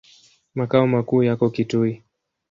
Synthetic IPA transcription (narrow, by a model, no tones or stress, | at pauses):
makaɔmakuːjakɔkitui